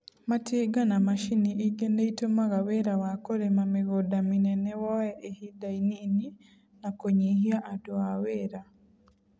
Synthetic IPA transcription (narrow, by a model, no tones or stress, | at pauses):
mateɡanamaʃiniʔiɡeneitomaɣaweɾawakoɾemameɣodaminɛnɛwɔɛʔehidainini | nakoɲihiaʔadoaweɾa